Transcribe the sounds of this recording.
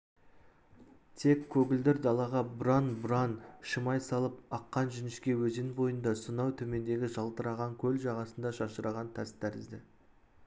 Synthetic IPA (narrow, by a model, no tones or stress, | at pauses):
t̪ʰe̞kʲʰːɵɡʲɪld̪ɪɾd̪ɑlˠɑʁɑbʊɾɑnbʊɾɑnʃəmɑjsɑlˠəp̚ɑqːɑnʒʏnɪʃkʲe̞wɵzenbo̞jənd̪ɑsənɑwt̪ʰɵme̞nd̪e̞ɡʲɪʒɑlˠt̪əɾɑʁɑŋkʲʰɵlʒɑʁɑsənd̪ɑʃɑʃəɾɑʁɑnt̪ʰæst̪ʰæɾɪzd̪ɪ